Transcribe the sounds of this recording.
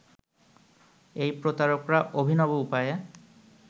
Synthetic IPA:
ejpɾot̪aɾɔkɾaʔobʱinɔbɔupaje

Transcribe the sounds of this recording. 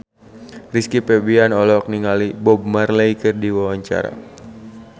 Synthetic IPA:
riskipɛbianɔlɔk̚niŋalibɔb̚marləikɨrdiwawaɲt͡ʃa̰ɾa̰

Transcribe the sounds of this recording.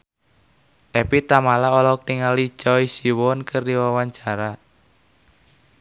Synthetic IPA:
ʔɛpit̪amalaɔlɔk̚niŋali̥t͡ʃɔisiwɔnkərdiwawaɲt͡ʃaɾa

